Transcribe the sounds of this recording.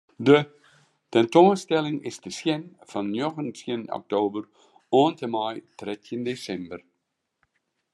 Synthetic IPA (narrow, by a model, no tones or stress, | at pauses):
də | tɛntonstɛlɪŋɪ̰sdəsjɛnfɑnjɔxənsjənɔ̰k̚toːbər | oːntəmajtrɛtʰəndesɛmbər